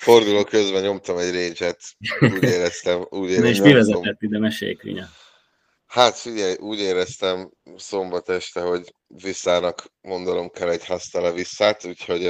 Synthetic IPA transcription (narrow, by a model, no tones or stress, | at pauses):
fo̞rd̪uloːkø̞zbɛɲo̞mt̪ɒmɛɟreːd͡ʒɛt̪uːɟeːɾɛst̪ɛmuːɟeːɾeʃmivɛzɛɛt̪ːid̪ɛmɛʃḛːjkḭɲɛ | hat̪fiɟɛjʔuːɟeːɾɛst̪ɛm | so̞mbɒt̪ɛʃt̪ɛɦo̞ɟ | visːaːnɒkmo̞nd̪ono̞mkʰɛlːɛɟhast̪ɛlɛvisːaːt̪uːcho̞ɟ